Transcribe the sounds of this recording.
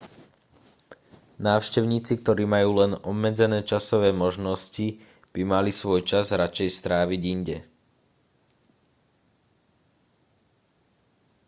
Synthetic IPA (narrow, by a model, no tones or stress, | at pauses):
naːʊʃcɛʊɲiːt͡sik̚t̪ɔɾiːmajuːlɛnɔbmɛd͡zɛnɛːt͡ʃasɔʋɛːmɔʒnɔsci | b̥imalisʋɔjt͡ʃazɾat͡ʃɛjst̪ɾaːʋiɟiɲɟɛ